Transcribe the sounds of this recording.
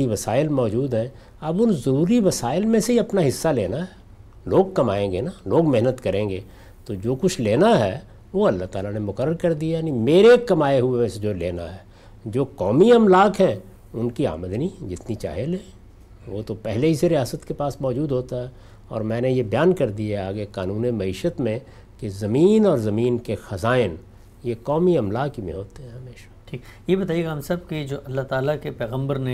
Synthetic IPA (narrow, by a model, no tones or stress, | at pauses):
iʋɐsaːɪlmɔːd͡ʒuːd̪ɦɛ̃ | ɐbʊnzɐɾuːɾiʋɐsaːɪlmẽseɦiɐpnaɦɪsːaleːnaɦɛː | loːɡ̚kɐmaːẽːŋɡenaloːɡmeɦnət̪kɐɾẽːŋɡeː | t̪od͡ʒoːkʊt͡ʃʰleːnaɦɛː | ʋoːɐlːaɦt̪aːlanemʊkəɾːəɾkɐɾd̪ijanimeːɾekkːɐmaːeɦʊemẽsed͡ʒoːlḛːna̰ɦɛː | d͡ʒoːkɔːmiɐmlaːkɦɛ̃ | ʊnkia̰ːməd̪nid͡ʒɪt̪nit͡ʃa̰ːɦelɛ̃ː | ʋot̪opɛɦleɦiseɾijaːsət̪kepaːsmɔːd͡ʒuːd̪ɦoːt̪aɦɛː | ɔ̰ːɾmɛ̃ːnejebɐjaːnkɐɾd̪ieaːɡekaːnũːnemɐiːʃət̪mẽ | kezɐmiːnɔːɾzɐmiːnkexɐzaːɪn | jekɔːmiɐmlaːkɦimḛ̃ɦoːt̪eɦɛ̃ɦɐmeːʃḁʈʰiːkjebɐt̪aːjeːɡaɦɐ̃msɐb̚ked͡ʒoːʔɐlːaɦt̪aːlakepɛːɣə̃mbəɾne